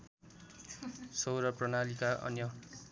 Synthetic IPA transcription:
sʌwɾʌprʌnalikaʔʌ̰njʌ

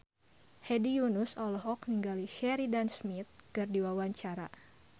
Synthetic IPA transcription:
hɛdijunʊsɔlɔɦɔk̚niŋɡaliʃɛɾidansmit̪̚kɨrdiwawaɲt͡ʃaɾa̰

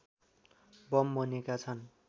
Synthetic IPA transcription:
bʌmːʌnekat͡sʰʌn

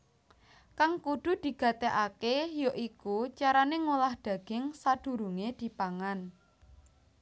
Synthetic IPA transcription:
kaŋkud̪̥ṳd̪̥i̤ɡ̥a̤t̪eʔakejoʔikut͡ʃaɾaneŋolahd̥a̤ɡ̥ɪŋsad̪̥ṳɾuŋed̪̥i̤paŋan

